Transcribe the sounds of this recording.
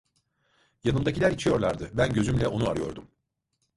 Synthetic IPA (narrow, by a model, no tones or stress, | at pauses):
janɯmd̪acilʲæɾit͡ʃʰijo̞ɾlˠaɾd̪ɯbænɟø̞zymlʲɛo̞nua̰ɾɯjo̞̰ɾd̪um